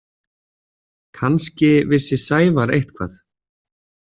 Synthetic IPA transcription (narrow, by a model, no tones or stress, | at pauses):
kʰanscɪvɪsɪsaːjvaɾḛjht̪kʰva̰θ